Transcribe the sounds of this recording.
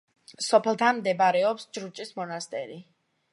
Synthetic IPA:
sɔpʰɛlˠt̪ʰanmd̪ɛbaɾɛɔpsd͡ʒɾut͡ʃʼismɔnast̪ʼɛ̰ɾi

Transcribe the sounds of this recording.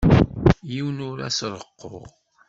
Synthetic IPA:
jiwnʊɾæ̰sɾˤəqːʊ̰ʁ

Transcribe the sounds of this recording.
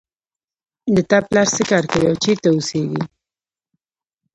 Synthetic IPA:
d̪ət̪aplɑɾsekɑɾkawiawt͡ʃiɾt̪aʊseɡḭ

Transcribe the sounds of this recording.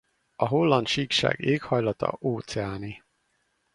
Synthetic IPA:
ɒɦolːɒnt̪ʃiːkʃa̰ːɡeːkhɒjlɒt̪ɒ̰ʔoːt̪sɛaːni

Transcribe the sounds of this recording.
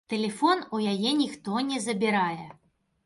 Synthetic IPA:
t̪ɛlʲɛfɔnujajɛnʲixt̪ɔnʲɛzɐbʲiɾajɛ

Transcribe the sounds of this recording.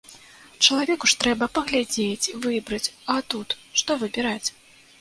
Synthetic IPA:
t͡ʂɐlˠavʲɛkuʂt̪ɾɛbɐpɐɣlʲad͡zʲet͡sʲivɨbɾɐt͡sʲat̪ut̪ʂt̪ɔvɨbʲiɾat͡sʲ

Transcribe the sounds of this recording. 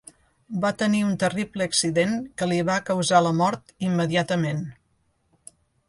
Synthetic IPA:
bat̪əniunt̪əripləːksiðeŋkəliβ̞akəwzaləmɔɾt̪imːəðiat̪əmen

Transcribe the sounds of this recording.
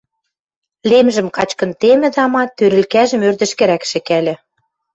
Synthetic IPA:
lemʒɘ̆mkɑt͡ɕkɤ̆nt̪emɘ̆d̪ɑmɑt̪øɾɘ̆lkæʒɘ̆mørd̪ɘ̆ʃkɘ̆ɾækʃɘ̆kælʲɘ̆

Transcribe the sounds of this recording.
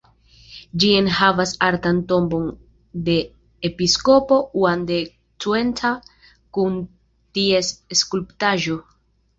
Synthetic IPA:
d͡ʒie̞nhavasaɾtanto̞mbo̞n | de̞ː | pisko̞po̞uande̞ | tue̞ntʰa | kun | tiesskulptaʒo̞

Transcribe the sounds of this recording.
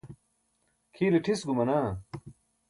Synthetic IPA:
kʰiːliʈʰisɡumɐnaː

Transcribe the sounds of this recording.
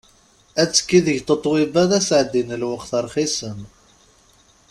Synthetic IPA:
æt͡sːə̥kːiðəʝt̪ət̪ˤːwibæðæsʕəd̪ːinəlwəqθəɾˤχisən

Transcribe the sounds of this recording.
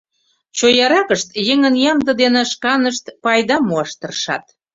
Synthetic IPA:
t͡ɕojɑɾɑkəʃt̪jeŋənjɑmd̪ə̆d̪eneʃkɑnəʃt̪pɑjd̪ɑmoɑʃt̪ərʃɑ̰t̪̚

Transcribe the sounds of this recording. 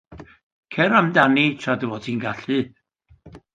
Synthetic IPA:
kʰɛɾamdanitʰraduvɔtʰiːnɡaɬɨ

